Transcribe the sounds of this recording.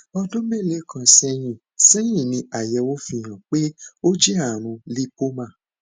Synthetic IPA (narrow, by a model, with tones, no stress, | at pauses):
ɔ˧dõ˦me˦˨le˦kʰã˧sɛ˧j̃ĩ˦˨ | sɛ˦j̃ĩ˦˨nĩ˧a˨jɛ˧wo˦fi˧˨j̃ã˨k͡pe˦o˦d͡ʒi˦a˦˨ɾ̃ũ˧li˦po˦mã˦˨